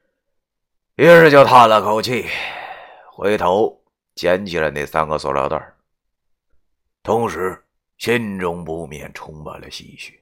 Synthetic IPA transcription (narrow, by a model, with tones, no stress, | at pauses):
ɛ˥ʂɻ̩˥˧t͡ɕjo˧ʊt̪ʰa˥˩lə˨kʰo˧˩ʊt͡ɕʰi˥˩ | xwḛ˧˥ɪt̪ʰo˧˥ʊ | t͡ɕjɛ˧˥nt͡ɕʰi˨˩la˧˥ne˥˩ɪsa˥nɡə˧swɔ̰˨˧˩ljɑ̰˧˥ʊt̪ə̰˥˩ | t̪ʰʊ˧˥ŋʂɻ̩˧˥ | ɕi˥nʈ͡ʂʊ˥ŋpu˧˥mjɛ̰˥˨˩nʈ͡ʂʰʊ˥ŋpa̰˨˩nlə̰˨ɕḭ˥˩t͡ɕʰy˥˩